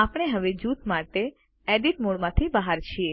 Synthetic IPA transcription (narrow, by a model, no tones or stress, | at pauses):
apɽ̃eɦəʋed͡ʒut̪maʈe | eɖiʈmoɽmãt̪ʰibəɦaɾt͡ʃʰie